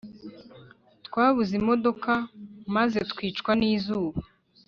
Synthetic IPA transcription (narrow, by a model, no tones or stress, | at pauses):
tkwaːβuzimo̞do̞kamaze̞tkwiːt͡ʃkwaniːzuːβa